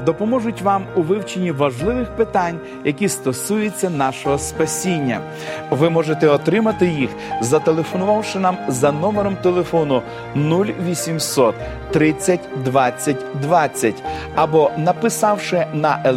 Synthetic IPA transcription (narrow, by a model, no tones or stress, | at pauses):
d̪ɔpɔmɔʒʊtʲʋɑmʊʋɪwt͡ʃenʲːiʋɐʒlˠɪʋɪxpɪt̪ɑnʲ | jɐkʲist̪ɔsujʊt͡sʲːɐnɑʃɔɦɔspɐsʲinʲːɐ̰ | ʋɪmɔʒet̪ɛɔt̪ɾɪmɐt̪ɪjix | zɐt̪elˠefɔnʊʋɑwʃɪnɑmzɐnɔmeɾɔmt̪elˠe̞fɔnʊ | nulʲʋʲisʲimsɔt̪ː | ɾɪt͡sʲːɐtʲd̪ʋɑt͡sʲːɐtʲd̪ʋɑt͡sʲːɐtʲ | ɐbɔnɐpɪsɑwʃɪnɐʔe